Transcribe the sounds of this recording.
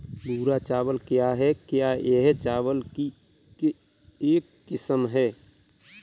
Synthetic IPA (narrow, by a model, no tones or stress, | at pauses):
d̪uːɾat͡ʃaːwəlkjaɦɛkjajeɦt͡ʃaːʋəlki | ke | eːkːɪsəmɦɛː